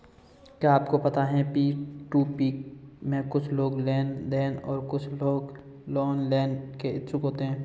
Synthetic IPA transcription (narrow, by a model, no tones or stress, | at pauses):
kːaːpkopɐt̪aɦɛ̃piːʈuːpiːkmẽkʊt͡ʃʰloːɡleːnd̪eːnɔːɾkʊt͡ʃʰloːɡ | lɔːnlɛːnkeɪt͡ʃʰʊkɦoːt̪eɦɛ̃ː